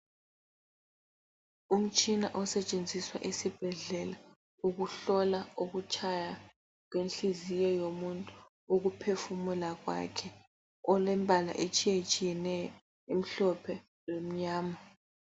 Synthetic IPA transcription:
um̩t͡ʃʼinaʔɔsɛt͡ʃʼend͡zʱiswa̰ʔisib̥ʱɛɮɛla | uɣuɬɔlaoɣut͡ʃʰaja | k̬wenɬizijɔjomuntʼu | uɣupʰefumulaɣwa̰kʰɛ | ɔlɛmbʱala̰ʔet͡ʃʼijet͡ʃʼijɛnɛjɔ | em̩ɬɔpʰɛ | lom̩ɲaːma

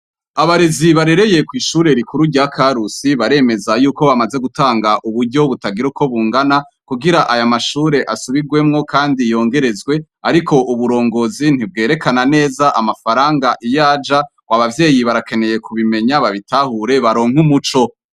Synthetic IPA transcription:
aβaɾeziβaɾe̞ɾe̞je̞kwiːʃuːɾe̞ɾikuɾuɾɟaːkʰaɾusiβaɾe̞ːme̞zajuːko̞βamaze̞ɡutaːŋɡaʔuβuɾɟo̞βutaɡiɾuko̞βuːŋɡana | kuɡiɾaʔajamaʃuːɾe̞ʔasuβiɡwe̞mŋo̞kaːndijo̞ːŋɡe̞ɾe̞zɡwe̞aɾikʰo̞ʔuβuɾo̞ːŋɡo̞zin̥hib̚ɡe̞ːɾe̞kanane̞ːzaʔamafaɾaːŋɡaʔijaːd͡ʒa | waβavje̞ːjiβaɾake̞ne̞je̞kuβime̞ɲaβaβitahuɾe̞βaɾo̞ːŋ̥humut͡ʃo̞

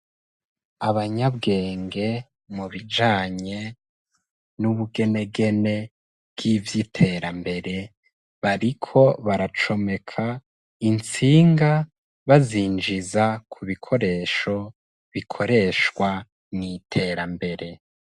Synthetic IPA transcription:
aβaɲabɡe̞ːŋɡe̞ | muβid͡ʒaːɲe̞ | nuβuɡe̞ne̞ɡe̞ne̞ | bɡ̥ivjitʰe̞ɾambe̞ɾe̞ | βaɾikʰo̞βaɾat͡ʃo̞me̞kʰa | int͡siːŋɡa | βaziːnd͡ʒizakʰuβikʰo̞ɾe̞ʃo̞ | βikʰo̞ɾe̞ʃkwa | nitʰe̞ɾambe̞ɾe̞

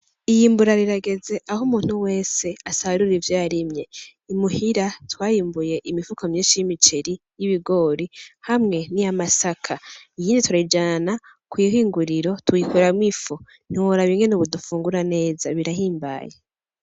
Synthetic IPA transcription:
ijiːmbuɾaɾiɾaɡe̞ze̞ʔahumuːn̥huwe̞ːse̞asaβaɾuɾiivjaːɾimɲe̞ | imuhiɾatwaːjiːmbuje̞ʔimifukomɲiːʃijimit͡ʃeɾi | jiβiɡo̞ːɾihamŋe̞niamasakʰaijiːndituɾaid͡ʒana | kwujihiːŋɡuɾiɾo̞tuikuɾamŋifo | n̥iwoɾaβiŋɡenuβudufuːŋɡuɾane̞ːzaβiɾaɦiːmba̰ːje

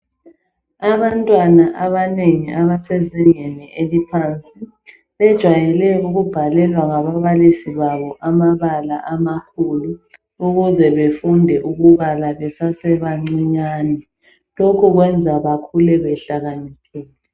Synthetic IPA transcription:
aβantʼwanaʔaβaneŋiʔaβasɛzɛŋɛnɛʔelipʰant͡sʼi | βɛd̥ʒ̥ʱwajɛlɛuɣub̥ʱalɛlwaŋaβaβalisiβaβɔʔamaβalaʔamakʰulu | uɣuzɛβefundʱɛʔuɣuβalaβɛsasɛβaŋ͡ǀiɲaːnɛ | lokʰuɣwɛnd͡zʱaβakʰulɛβɛɬaɣanɛkʰɛːlɛ

